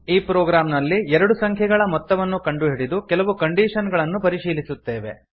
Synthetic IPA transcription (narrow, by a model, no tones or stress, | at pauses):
iːpɾoːɡɾaːmnɐlːiɛɾɐɽusɐŋkʰjɛɡɐɭɐmɔt̪ːɐʋɐnːukɐɳɖuɦiɽid̪ukɛlɐʋukɐɳɖiːʂɐnɡɐɭɐnːupɐɾiʃiːlisut̪ːe̞ːʋe̞̰